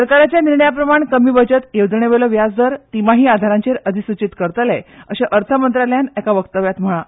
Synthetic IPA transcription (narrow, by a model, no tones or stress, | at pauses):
əɾkaɾat͡ɕjaniɾɳəjapɾəmaɳkəmiːbəd͡ʑət̪jeʋd̪ɳeʋelɔʋjad͡zd̪əɾt̪imaɦiːad̪ʱaɾãɲt͡ɕeɾəd̪ʱisut͡ɕit̪kəɾt̪əlɛəɕeʔəɾt̪ʰəmənt̪ɾaljanɛkaʋəkt̪əʋjat̪m̤əɭ̃a